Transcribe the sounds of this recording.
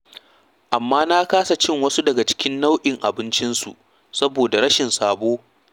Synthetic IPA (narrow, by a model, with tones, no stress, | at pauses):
ʔa˨mːaː˦na˦kaː˦sa˨t͡ʃɪ˦˨ŋwɐ˦su˦dɐ˨ɡa˨t͡ʃɪ̥˦kʲɪ˦nːa˦wʔɪ˨ŋʔa̰˨bɪ˦nt͡ʃɪ˦nsṵ˨ʔ | sɐ˦boː˨da˨ɾɐ˦ʃɪ˨nsaː˨boː˦